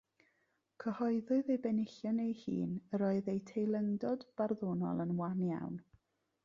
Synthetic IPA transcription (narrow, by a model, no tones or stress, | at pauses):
kʰəhɔɨðʊɨðejbɛnɪɬjɔnejhḭːnəɾoɨðejtʰejlˠəŋdɔdb̥arðoːnɔ̰lˠənwanja̰wn